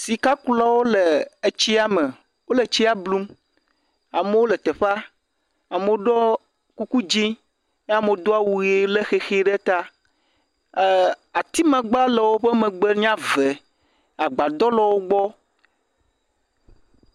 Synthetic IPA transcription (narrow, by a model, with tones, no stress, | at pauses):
si˨ka˦kla˦wo˦le˨e˦t͡ɕi˦a˨me˨ | wo˦le˨t͡ɕi˦a˦blu˦m | a˨mẽ˦wo˦lɛ˨t̪e˨ɸa˦ | a˨me˦wo˦ɖɔ˦ | ku˦ku˦d͡ʒĩ˦ | n˦a˨me˨˦d̪o˦a˦wu˨ɣe˦le˦xe˦xe˦ɖe˦t̪a˦˨ | a˨t̪i˦mã˨ɡ͡ba˦lɛ˨wo˦ɸɛ˦mɛ̃˨ɡ͡be˦ɲã˦ve˨ | a˨ɡ͡ba˨d̪ɔ˦lɔ˨wo˦ɡ͡bɔ˦